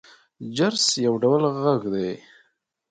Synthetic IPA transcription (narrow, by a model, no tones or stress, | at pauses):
d͡ʒaɾsjawɖawəlɣaɡd̪e